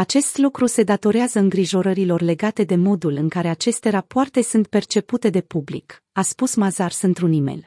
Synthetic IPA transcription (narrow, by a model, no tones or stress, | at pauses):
at͡ʃe̞st̪lukɾuse̞d̪at̪o̞ɾeazəɨŋɡɾiʒo̞ɾəɾilo̞rle̞ɡat̪e̞d̪e̞mo̞d̪ulɨŋkaɾe̞at͡ʃe̞st̪e̞ɾapoart̪e̞sunt̪̚pe̞rt͡ʃe̞put̪e̞d̪e̞publḭk | aspusmazarsɨnt̪ɾunime̞̰l